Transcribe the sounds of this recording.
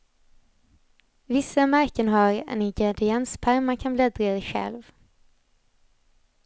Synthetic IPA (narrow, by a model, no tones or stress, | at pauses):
vɪsːamæɾkənɦaɾɛ̰nɪŋɡɾɛd̪ɪɛnspʰæɾmankʰanblɛd̪ɾdɛɧɛ̰lv